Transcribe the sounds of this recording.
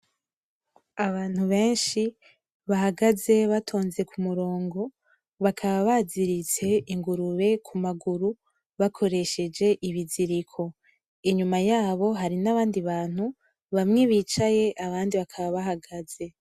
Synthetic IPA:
aβaːn̥huβe̞ːnʃi | βaɦaɡaze̞βatʰo̞ːnze̞kʰumuɾo̞ːŋɡo̞ | βakʰaβaβaziɾit͡se̞iŋɡuɾuβe̞kʰumaɡuɾu | βakʰo̞ɾe̞ʃe̞d͡ʒe̞ʔiβiziɾikʰo̞ | iɲumajaːβo̞ɦaɾinaβaːndiβaːnhu | βamŋe̞βiːt͡ʃaje̞ʔaβaːndiβakʰaβaβaɦaɡaz̥e̞

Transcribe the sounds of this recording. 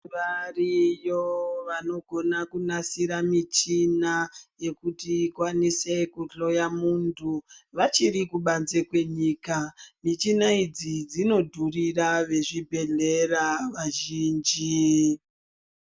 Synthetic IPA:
ʋarijoʋano̞ɡʱo̞nakunasiɾamit͡ʃinaje̞kutiːkwanisekuɬo̞jamuːntʰuʋat͡ʃirikuɓanze̞kwe̞ɲiːkamit͡ʃinaid͡zid͡zino̞dʱuriraʋe̞ʐibʱe̞ɮe̞raʋaʒiːnd͡ʒi

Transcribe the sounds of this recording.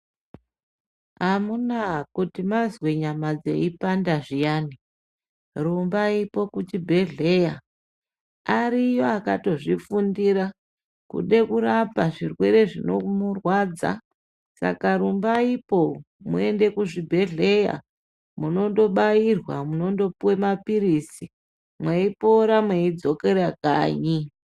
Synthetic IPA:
ɦamunakutimazweɲamad͡ze̞̰ipandaʐijaːni | rumbaipo̞kut͡ʃibʱe̞ɮe̞ja | aɾijo̞akato̞ʐifundiɾa | kṵɗe̞kuɾapaʐirwe̞ɾe̞ʐino̞̰murwad͡za̰ | sa̰kaɾumbaipo̞ | mṵe̞nde̞kuʐibʱe̞ɮe̞ja̰ | muno̞ndo̞ɓairwa̰muno̞ndo̞puwemapiɾisi | mweipoɾamweid͡zo̞ke̞ɾaka̰ːɲi

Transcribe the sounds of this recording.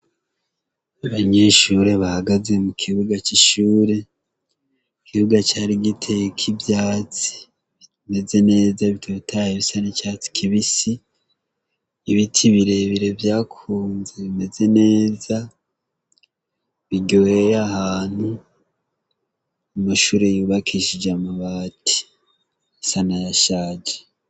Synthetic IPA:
aβaɲe̞ːʃuɾe̞βahaɡaze̞mukʰiβuɡat͡ʃiʃuːɾe̞ | ukʰiβuɡat͡ʃaːɾiɡitʰe̞kʰibjaːt͡si̥ | ime̞ze̞ne̞ːzaβitʰoβitʰajeβisanit͡ʃat͡si̥kʰiβisi | βitʰiβiɾe̞βiɾe̞vjaːkʰuːnze̞βime̞ze̞ne̞ːza | βiɟowejahaːn̥hu | umaʃuːɾe̞juːβakʰiʃid͡ʒamaβati̥ | isanajaʃaːd͡ʒe̥

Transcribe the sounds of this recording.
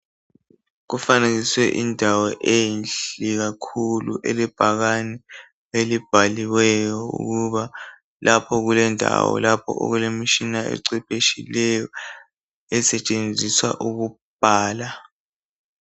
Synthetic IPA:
ɣ̬ufaneɣiswɛʔindʱawɔʔenɬiɣ̬akʰuluʔelib̥ʱaɣanɛ | elib̥ʱaliwɛjɔṵɣuβa | lʔapʰɔɣulɛndʱa̰wɔ̰lapʰɔ̰ʔɔ̰ɣulemiʃinaḛǀipʼeʃilɛjɔ | ɛsɛt͡ʃʼend͡zʱiswa̰ʔuɣ̬u | b̥ʱaːla

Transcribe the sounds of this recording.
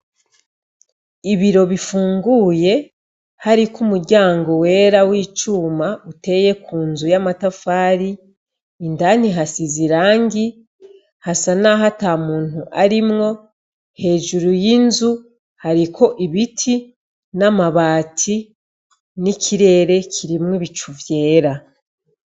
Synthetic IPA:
iβiɾo̞βifuːŋɡuːje̞ | haɾikumuɾɟaːŋɡowe̞ːɾawiːt͡ʃuːmaute̞je̞kuːnzujamatafaːɾiː | ndan̥iɦasiziɾaːŋɡi | hasanaɦataːmuːn̥huʔaɾimŋo̞ | he̞ːʒuɾujinzu | haɾikʰo̞ʔiβitʰi | namaβaːtʰi | nikʰiɾe̞ːɾe̞kʰiɾimŋiβit͡ʃuvje̞ːɾa

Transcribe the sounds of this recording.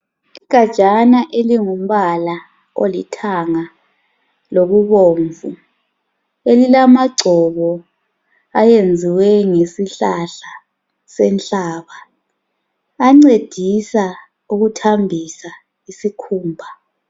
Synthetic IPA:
iɡ̥ʱad̥ʒ̥ʱanaʔeliŋum̩βala | o̰litʰaŋa | loβuβoːɱvu | elilamaɡ͡ǀʱɔβɔ | ajend͡zʱiwɛŋesiɬaɬa | sɛnɬaːβa | ŋ͡ǀed̥ʱisa | uɣutʰambʱisa | isikʰuːmbʱa

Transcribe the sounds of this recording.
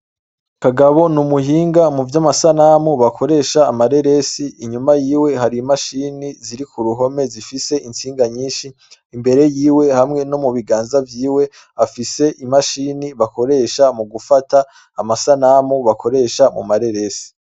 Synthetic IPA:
kaɡaβo̞numuhiːŋɡamuvjamasanamuβakʰo̞ɾe̞ːʃaːmaɾe̞ɾe̞siːɲumajiːwe̞ɦaɾimaʃiniziɾikuɾuɦo̞me̞zifise̞ʔint͡siːŋɡaɲiːnʃiː | mbe̞ɾe̞jiːwe̞hamŋe̞nomuβiɡaːnzavjiːwe̞ | afise̞ʔimaʃiniβako̞ɾe̞ːʃamuɡufataː | masanamuβakʰo̞ɾe̞ːʃamṵmaɾe̞ɾe̞si̥

